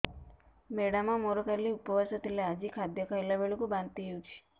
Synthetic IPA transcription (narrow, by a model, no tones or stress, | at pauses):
meɽamãmoɾokʰaliupəʋəsət̪ilead͡ʒikʰad̪jɔkʰaelabeɭukũbãnd̪t̪iɦjũt͡ʃʰi̥